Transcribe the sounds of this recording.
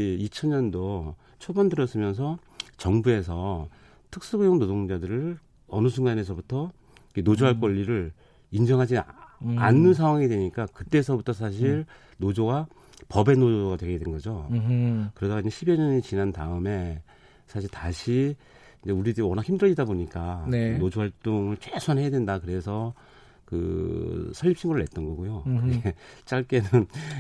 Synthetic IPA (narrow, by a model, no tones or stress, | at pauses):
it͡ɕʰʌnɲʌndo | t͡ɕʰobʌndɯɾʌs͈ɯmjʌns̬ʰʌ | t͡ɕʌŋbue̞s̬ʰʌ | tʰɯk̚s͈uɡujʌŋnodoŋd͡ʑadɯɾɯɭ | ʌnɯs̬ʰuŋɡane̞s̬ʰʌbutʰʌ | ikenod͡ʑoɦaɭk͈wʌʎːiɾɯɭ | ind͡ʑʌŋɦad͡ʑianːɯns̬ʰaŋwaŋidwe̞ɲik͈akɯt͈e̞sʰʌbutʰʌsʰaɕ̬ʰiɭ | nod͡ʑoɡa | pʌbe̞nod͡ʑoɡadwe̞ɡedwenɡʌd͡ʑo | kɯɾʌdaɡaiɲd͡ʑe̞ɕʰibeɲʌɲit͡ɕinantaɯme̞ | sʰaɕ̬ʰiɭtaɕʰi | ind͡ʑeuɾidɯwʌnakçʰimdɯɭd͡ʑidaboɲik͈anenod͡ʑoɦaɭt͈oŋɯɭt͡ɕʰwesʰanɦejadwendakɯɾe̞sʰʌ | kɯ̰sʰʌɭːipɕʰiŋɡoɾɯɭːe̞t̚t͈ʌnɡʌɡujokɯɡet͡ɕ͈aɭk͈e̞nɯn